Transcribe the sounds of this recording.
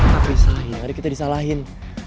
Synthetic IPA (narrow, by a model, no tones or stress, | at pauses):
t̪apisaɦɪnkaɾikit̪adisalaɦɪn